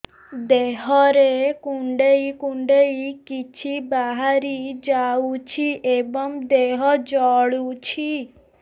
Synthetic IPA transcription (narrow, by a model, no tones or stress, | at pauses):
d̪eɦɔɾekuɳɖejkuɳɖejkit͡ʃʰibaɦaɾid͡ʒaut͡ʃʰiʔebɔŋd̪eɦɔd͡ʒɔɭut͡ʃʰi